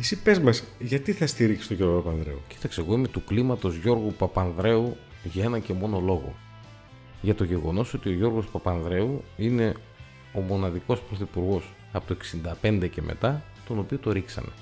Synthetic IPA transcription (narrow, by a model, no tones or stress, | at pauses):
isipezmɐsʝɐt̪iθɐst̪iɾiksi̥st̪oʝoɾɣopɐpɐnðɾe̞̰uci̥t̪ɐkseɣo̞imet̪uklimɐt̪o̞zʝo̞ɾɣupɐpɐnðɾe̞u | ʝɐe̞nɐce̞mo̞no̞lo̞ɣo̞̰ | ʝɐt̪o̞ʝe̞ɣo̞no̞so̞t̪io̞ʝo̞ɾɣo̞spɐpɐnðɾe̞uine̞ | o̞mo̞nɐðiko̞spɾo̞θipuɾɣo̞s | ɐpot̪oeksind̪ɐpe̞nd̪e̞ce̞mʔḛt̪ɐ | t̪o̞no̞piot̪oɾiksɐ̰ne̞̰